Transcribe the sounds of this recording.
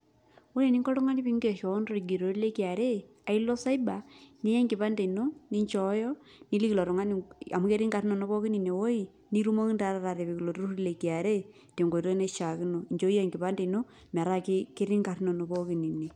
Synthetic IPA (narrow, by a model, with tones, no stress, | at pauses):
wo˦le˨ni˦ŋɡɔ˦ɾɔ˦ŋa˦ni˦pi˦ŋɡe˨ʃo˨˦nro˦ɾi˨ɡi˨ɾo˨ɾle˦ki˨a˨ɾe˦ | a˨i˦lo˦sa˦i˦ba˨ni˦je˦ŋɡi˨pa˦nde˨no˦ni˦ɲt͡ʃɔ˨˦jɔ˦ | ni˦li˦klɔ˨ɾɔ˨ŋa˦ni˨a˨mu˦ke˦ɾi˦ŋɡa˨ɾi˦no˨no˦pɔ˦ki˦ni˨ne˨wo˦i˦ | ni˦ɾu˦mo˦ki˦nda˨˦ɾa˦ɾa˨ɾe˨pi˨ki˨lo˨tu˦ɾo˦ɾle˨ki˨a˨ɾe˦˨ | te˨ŋɡo˨o˦ne˦ʃa˨ki˦no˨i˨ɲd͡ʒo˦e˨ŋɡi˨pa˦nde˨no˦ | m˨a˨ɾa˦ki˦ke˦ɾi˦ŋka˨ɾi˦no˨no˨po˦ki˨ni˨ne˨